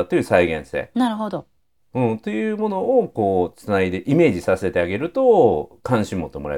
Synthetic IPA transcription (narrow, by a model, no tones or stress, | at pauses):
t̪ːo̞jɯ̟ːsaiɡẽ̞ɰ̃se̞̰ːnaɾɯ̟ɦod̪o | ɯ̟̃ɴt̪o̞jɯ̟ːmo̞no̞oko̞ːt͡sɨnaid̪e̞ʔime̞ːʑisase̞t̪e̞aɡe̞ɾɯ̟t̪o̞kãɰ̃ɕĩmːo̞t̪ːemoɾa̰